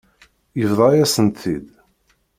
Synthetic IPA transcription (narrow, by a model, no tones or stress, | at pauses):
jəvðˤɑjæsənt̪θid̪